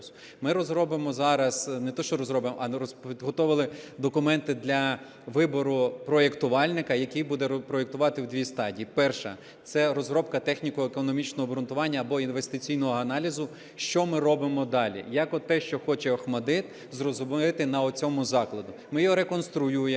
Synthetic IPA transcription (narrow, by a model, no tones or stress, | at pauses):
s | mɪɾɔzɾɔbɪmɔzɑɾɐsnet̪ɔʃt͡ʃɔɾɔzɾɔbɪmɔʔɐɾɔpʲid̪ɦɔt̪ɔʋɪlˠɪd̪ɔkʊmɛnt̪ɪd̪lʲɐ | ʋɪbɔɾʊpɾɔjekt̪ʊʋɑlʲnɪkɐjɐkijbud̪ɛpɾɔjekt̪ʊʋɑt̪ɪwd̪ʋʲist̪ɑdʲiːpɛrʃɐ̰ | t̪sɛɾɔzɦɾɔbkɐt̪ɛxnʲikɔekɔnɔmʲit͡ʃnɔɦɔbɾʊnt̪ʊʋɑnʲːɐːbɔinʋe̞st̪ɪt͡sʲijnɔɦɔɐnɑlʲizʊ | ʃt͡ʃɔmɪɾɔbɪmɔd̪ɑlʲḭjɑkɔt̪ːɛʃt͡ʃɔxɔt͡ʃɛɔxmɐd̪ɪt̪ | zrɔzʊmɪt̪ɪnɐɔt͡sʲɔmʊzɑklˠɐd̪ʊmɪjɔɾe̞kɔnst̪ɾʊjuje